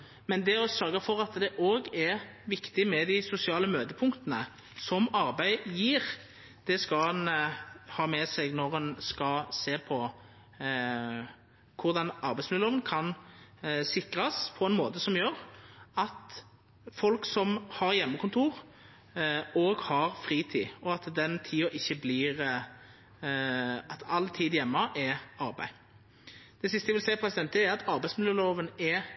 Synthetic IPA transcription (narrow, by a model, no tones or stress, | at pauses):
mɛnd̪ɛɔsœɾɡəfɔʁɑt̪d̪ɛʔoːɡɛʁʋɪkt̪ɪmɛd̪æɪsʊsɪɑːləmøːd̪əpʰʊŋkt̪ənə | sɔmɑɾbæɪjiːʁ | d̪̥ɛskɑɑnhɑːmɛsɛɡnɔʁɛnskɑseːʁpʰɔ | kʰʊʁd̪ɑnɑʁbæɪsmɪloːʋənkʰɑn | sɪkɾɑspʰɔɛnmoːt̪əsɔmjøːʁɑt̪ | fɔlksɔmhɑʁjɛmːəkʰʊnt̪ʰuːʁ | oːɡhɑʁfʁiːt̪ʰḭːɔɑt̪d̪ɛnt̪ʰiːɔʔɪçːəbliːʁ | ɑt̪ɑlt̪ʰiːd̪jɛmːəʔɛɑɾbæ̰ɪ | d̪̥ɛsɪst̪əjæʋɪlsɛɪpʰɾɛsɪd̪ɛnt̪ɛɾɑt̪ʰɑʁbæɪsmɪljəloːʋənɛ